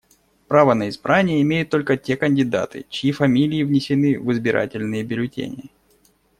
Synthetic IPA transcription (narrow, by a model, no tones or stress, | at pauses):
pɾavənəɪzbɾʔanʲɪjəɪmʲejʊt̪ːolʲkətʲe̞kənʲdʲɪd̪a̰t̪ɨ̰t͡ɕɪjifɐmʲilʲɪːvnʲɪsʲɪnɨvɨzbʲɪɾʔa̰tʲɪlʲnɨjəbʲɪlʲʊtʲḛnʲɪ̰jə